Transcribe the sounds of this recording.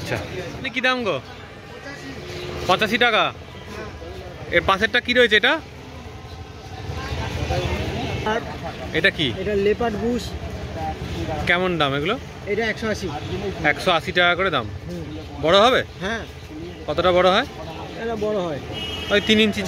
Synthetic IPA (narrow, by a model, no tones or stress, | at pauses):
itːɕʰa̰anik̬id̪amɡo | pɔ̃t͡ɕaʃiʈaka | eɾpãseʈʈːakiɾoet͡ɕʰeeʈa | aɾeʈakieʈalepaʈbus | kɛmond̪ameɡulo | ejʈaɛkʃoaʃiɛkʃoaʃiʈakakoɾed̪a̰m | bɔɽoɦɔbeɦɛ̃ | kɔt̪ʰoʈabɔɽoɦɔe | eabɔɽoɦɔet̪ɔet̪inint͡ɕi